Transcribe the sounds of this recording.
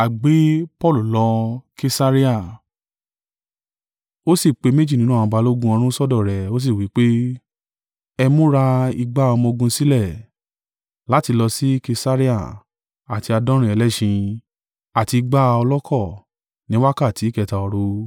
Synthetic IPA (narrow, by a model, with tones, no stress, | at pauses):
a˨ɡ͡be˨˦pɔ˦˨lu˨lɔ˧ke˧sa˦ɾi˦a˦˨ | o˦si˦˨k͡pe˨˧˦me˦d͡ʒi˦˨nĩ˦nũ˦˨˧ɡ͡ba˨˧lo˦ɡũ˦ɔ̃˧ɾ̃ũ˦sɔ˦dɔ˦˨ɾɛ˨o˦s̬i˦˨wi˨˦k͡pe˦ | ɛ˧mõ˦ɾa˧i˧ɡ͡ba˦ɔ˧mɔ̃˧ɡũ˧si˦lɛ˦˨ | la˨˦ti˧lɔ˧si˦ke˧sa˦ɾi˦a˦˨ | a˨ti˧a˧dɔ̃˦ɾĩ˦ɛ˧lɛ˦ʃĩ˧ | a˨ti˧i˧ɡ͡ba˦˧ɔ˧lɔ˦kʰɔ˦˨ | nĩ˦wa˦ka˦˨ti˨˦kɛ˧ta˧ɔ˧ɾo˧